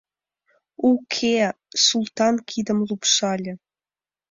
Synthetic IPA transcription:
ukʰe | sulˠt̪ɑnkʰid̪ə̆mlˠupʂɑlʲɤ̆

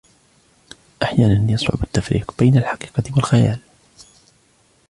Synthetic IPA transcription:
ʔaħjaːnanjɑsˤɾʊ̰bat̪ːafɾḭːqbajnalħɑqiːqɑwalxaja̰ːl

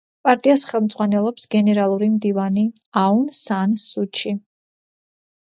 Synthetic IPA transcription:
pʼaɾt̪ʼiasχɛlˠmd̪zʼʁwanɛlˠɔpsɡ̥ɛnɛɾalˠuɾimd̪ivani | aunsansut͡ʃʰi

